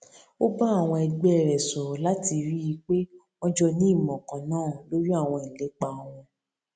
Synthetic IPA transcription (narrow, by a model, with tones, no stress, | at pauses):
o˦ba˦a˦˨w̃ɔ̃˧ɛ˧ɡ͡bɾɛ˨sɔ˨la˦ti˧ɾi˦i˧k͡pe˦ | ɔ̃˦d͡ʒɔ˧nĩ˦i˦˨mɔ̃˨kã˨nãː˦˨lo˦ɾi˦a˦˨w̃ɔ̃˧i˨le˨˦k͡pa˧w̃ɔ̃˧